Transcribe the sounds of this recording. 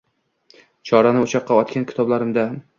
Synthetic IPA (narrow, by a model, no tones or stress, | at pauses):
t͡ʃʰɒɾanɪʊt͡ʃʰɑqːɑɒt̪kʲankʲʰɪ̥t̪ʰɒblaɾɪmd̪a